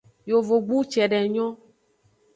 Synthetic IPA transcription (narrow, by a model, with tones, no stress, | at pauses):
jo˨vo˨ɡ͡bu˦t͡ʃɛ˨ɖɛ˨ɲɔ̃˦